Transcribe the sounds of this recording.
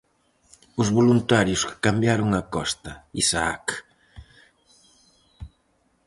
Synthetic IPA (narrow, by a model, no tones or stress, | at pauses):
ʊzβolunt̪aɾjʊskkambjaɾʊŋɐkɔst̪ɐisaak